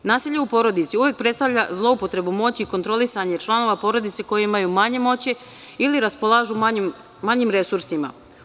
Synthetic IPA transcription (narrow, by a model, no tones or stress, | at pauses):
naːsiʎeupo̞ɾo̞d̪it̪siuʋje̞k̚pɾe̞t̪st̪aʋʎazlˠo̞upo̞t̪ɾe̞bumo̞t͡ɕiikont̪ɾo̞lisaɲe̞t͡ʃlˠano̞ʋapo̞ɾo̞d̪it̪seko̞jeimajumaɲe̞mo̞t͡ɕi | iliɾaspo̞lˠaːʒumam | maɲimɾe̞suɾsima̰